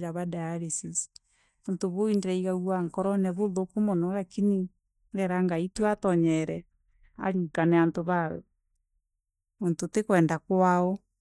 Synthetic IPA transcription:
ɾaβadajaɾesisi̥ | βontoβoindeɾɛiɣaɣwaŋkɔɾɔnɛβoðokomɔnɔɾakini | ɾɛɾaŋɡaitweatɔɲɛɾɛ | a̰ɾikanɛantoβaɛ̰ | βontotekwɛːndakwaɔ

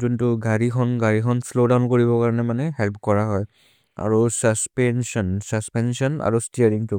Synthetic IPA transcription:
zuntʊɡaɹikʰɔnɡaɹikʰɔnslodaʊnkoɹibɔkaɹɔnɛmanɛɦɛlp̚kɔɹaɦɔj | a̰ɹusaspɛnsɔnsaspɛnsɔna̰ɹustiaɹiŋtʊ

